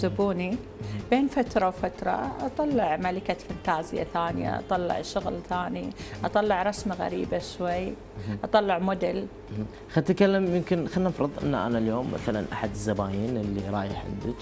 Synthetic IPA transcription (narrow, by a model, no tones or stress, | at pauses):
zʊbuːni | beːnfat̪ɾˤɑwfat̪ɾˤɑ̰ʔɑt̪ˤɑlːɪʕmalɪkafant̪aːzɪ̰ja̰θaːnɪja̰ʔɑ̰t̪ˤɑlːɪ̰ʕʃʊɣlθaːniʔɑt̪ˤɑlːɑʕɾˤɑsmaɣa̰ɾiːbaʃwajː | ʔɑt̪ˤɑlːɪʕmʊd̪ɪl | xat̪kalːamjɪmkɪnxanːʔɑfɾɨðˤʔɪ̰nːʔa̰naljoːmːa̰θala̰nʔa̰ħad̪ɪzːabaːjiːnɪlːiɾˤɑ̰ːjɪħa̰nd̪ɪk